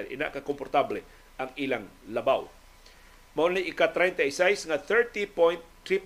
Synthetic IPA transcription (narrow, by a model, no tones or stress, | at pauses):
ɛɾʔɪ̰na̰ʔkakompoɾt̪ablɛ | ɐŋɪlaŋ | lɐbaw | mɐonliʔɪkat̪ɾɛjnt̪ɐisɛjsŋaθɛɹt̪ipojnt̪ː | ɾip